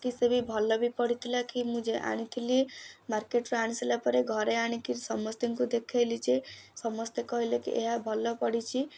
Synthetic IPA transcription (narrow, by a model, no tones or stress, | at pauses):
kisebibʱɔlːɔbʱipɔɽit̪ʰilakimũd͡ʒeʔa̰ɽ̃it̪ʰilimaɾkeʈɾoaɽ̃iselapɔɾeɡʱɔɾeaɽ̃ikiɾsɔmɔst̪iŋkud̪ekʰelid͡ʒesʌmɔst̪ekɔɦilekḭʔḛɦabʱɔlːɔpɔɽit͡ʃʰi